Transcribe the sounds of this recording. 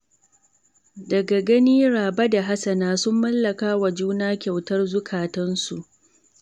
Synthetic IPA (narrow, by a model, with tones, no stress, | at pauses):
dɐ˨ɡa˨ɡɐ˦niː˦ɽaː˨bɐ˦da˨ɦa˦sɐ˨naː˦sʊ˦mːɐ˦lːɐ˨kaː˦wa˨d͡ʒuː˦naː˦kʲa˨wtɐ˦rzʊ˦kʰaː˨tɐ˦nsu˨ʔ